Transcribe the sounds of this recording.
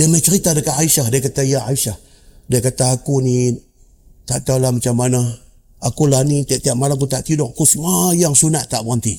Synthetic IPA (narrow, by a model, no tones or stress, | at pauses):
damat͡ʃəɾit̪adəkaaiʃahdajkat̪ajaaisah | dakat̪aakuni | t̪aʔt̪alamat͡ʃamːana | akulanit̪aʔt̪iaʔmalak̬ut̪aʔt̪idɔʔkusmajaŋsunaʔt̪aʔbant̪i